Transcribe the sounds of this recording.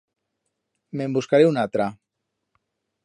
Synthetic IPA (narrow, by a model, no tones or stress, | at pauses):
membuskaɾeunat̪ɾa